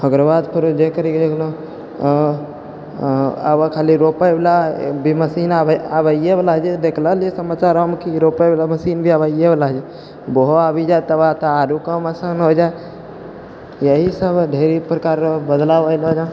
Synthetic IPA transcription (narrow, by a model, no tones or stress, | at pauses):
ɦəɡɾəbad̪pʰɪɾd͡ʒekəɾiked̪ekʰlõ | ə̰bəkʰaliɾopəjbelabʱiməsinaabəiebelaɦd͡ʒed̪ekʰləlesəmat͡ʃaɾəmkiɾopəjbelaməsinbʱiabəieblaɦd͡ʒɛ | boɦoabid͡ʒat̪əbat̪aaɾukəməsənɦod͡ʒae | jəɦisəbɖʱeɾipɾəkaɾbəd̪labəlod͡ʒa